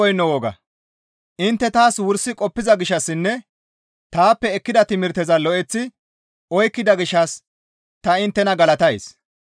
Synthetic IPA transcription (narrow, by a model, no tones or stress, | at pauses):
ɔjnːɔwɔɡɐ̰ | ʔɪnt̪ːɛt̪aːswʊɾsːɪkʼɔpːɪzɐɡɪʃːɐsːɪnːɛ | t̪aːpːɛːkːɪd̪ɐt̪ɪmɪɾt̪ɛzɐlɔʔɛt͡sːɪ | ʔɔjkːɪd̪ɐɡɪʃːɐs | t̪ɐɪnt̪ːɛnɐɡɐlɐt̪ɐjs